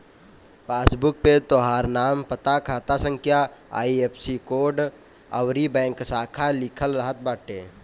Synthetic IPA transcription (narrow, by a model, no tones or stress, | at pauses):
paːsbʊk̚pet̪oɦaːɾnaːmpət̪akʰaːt̪asə̃ŋkʰjaa̰ːieːpʰsikoːɾɖ | əwɾibɛ̃ːŋksaːkʰalɪkʰəlɾəɦət̪̚baːʈeː